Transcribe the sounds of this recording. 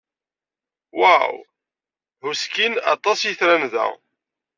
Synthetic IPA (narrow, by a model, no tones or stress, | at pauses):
waw | huskinɑ̰t̪ˤɑsjiθɾænðæ̰